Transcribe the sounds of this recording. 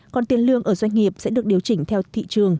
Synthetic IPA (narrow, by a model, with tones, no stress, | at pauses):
kɔ˨˩nt̪i˧ənlɨ˧əŋʔəː˧˩zwa˧jŋ̟ŋi˨˩əp̚sɛ̰˧˥ɗɨ˨˩ək̚ɗi˨˩əwt͡ɕï˧˩ŋ̟t̪ʰɛ˧wt̪ʰḭ˧˨t͡ɕɨ˨˩əŋ